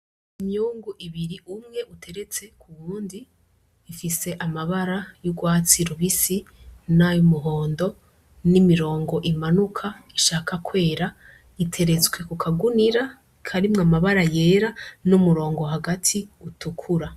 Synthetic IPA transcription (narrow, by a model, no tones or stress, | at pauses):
imjuːŋɡuʔiβiɾiʔumŋe̞ʔutʰe̞ɾe̞t͡se̞kʰuβuːndiː | fise̞ʔamaβaɾajuɡwaːt͡siɾuβisinajumuɦo̞ːndo̞ | nimiɾo̞ːŋɡo̞ʔimanukʰaiʃaːkakwe̞ːɾa | itʰe̞ɾe̞t͡sɡwe̞kukʰaɡuniɾa | kʰaɾimŋamaβaɾaje̞ːɾanumuɾo̞ːŋɡo̞ɦaɡatʰiutukʰuɾa